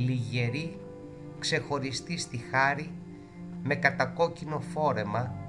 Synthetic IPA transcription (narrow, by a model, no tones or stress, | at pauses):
liʝe̞ɾi | kse̞xo̞ɾist̪ist̪ixɐɾi | me̞kɐt̪ɐko̞cino̞fo̞ɾe̞mɐ